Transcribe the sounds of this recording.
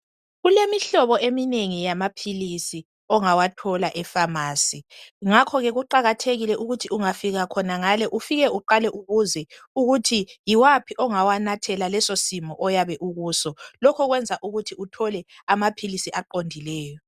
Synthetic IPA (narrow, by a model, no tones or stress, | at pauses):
ɣulemiɬɔβɔemineŋijamapʰilisi | ɔŋawatʰɔlaʔɛfamaːsiŋakʰɔɣɛɣuǃaɣatʰeɣilɛʔuɣutʰiuŋafiɣakʰɔnaŋalɛʔufiɣɛuǃalɛʔuɣuzɛuɣutʰijiwapʰiʔɔŋawanatʰɛlalɛsosimɔʔɔjaβɛʔuɣuːsɔlɔkʰɔɣwɛnd͡zʱaʔuɣutʰiutʰɔlɛamapʰilisiʔaǃondʱilɛːjɔ